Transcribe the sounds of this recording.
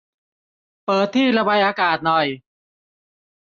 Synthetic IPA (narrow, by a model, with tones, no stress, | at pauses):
pɤː˨˩t̪ʰːiː˥˩ɾa˧ba˧jʔaː˧kaː˨˩t̪̚nɔ˨˩j